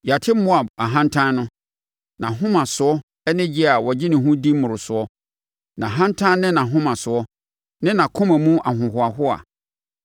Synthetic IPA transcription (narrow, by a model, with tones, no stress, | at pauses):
ja˨tʰɪ˦mʊ˦a˨ba˨ɦã˦n˦tʰã˦nʊ̃˦ | nã˨ɦʊ̃˦mã˨sʊ˨ɔ˦ | ɛ˦nɪ̃˦d͡ʑɪ˦a˨wɔ˨d͡ʑɪ˦nɪ̃˨ɦũ˦di˦mʊ̃˨ɾʊ˨sʊ˨˦ɔ˦ | nã˨ɦã˦n˦tʰã˦nːɪ̃˦nã˨ɦʊ̃˦mã˨sʊ˨ɔ˦ | nɪ̃˦nã˨kʰʊ̃˦mã˨mũ˦a˨ɦʊ̃˨ɦʊ˨a˨ɦʊ˦a̰˨